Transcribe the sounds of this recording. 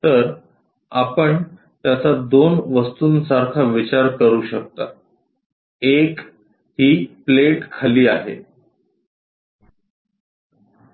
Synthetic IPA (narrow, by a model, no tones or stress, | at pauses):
t̪əɾ | a̰pəɳ | t̪jat͡sad̪onʋəst̪uːnsaɾkʰaʋit͡ɕaɾkəɾuːɕək̚t̪a̰ | ek | hiːpleʈkʰaliːaɦḛ